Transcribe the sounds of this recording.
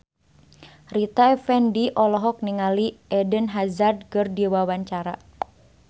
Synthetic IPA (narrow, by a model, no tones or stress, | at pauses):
rit̪aɛfɛndiʔɔlɔɦɔk̚niŋaliʔɛdənɦazard̪̚kərdiwawaɲt͡ʃaɾa̰